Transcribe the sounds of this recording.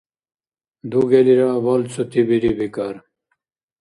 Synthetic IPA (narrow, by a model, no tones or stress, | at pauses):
d̪uɡeliɾawɐlt͡sʰut̪ibiɾibikaɾ